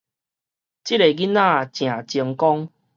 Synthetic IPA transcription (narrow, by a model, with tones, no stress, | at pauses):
t͡ɕi˦ɾe˨ɡi˦nã˦˨t͡ɕj̃ã˨˩t͡ɕi˧əŋkɔ˦ŋ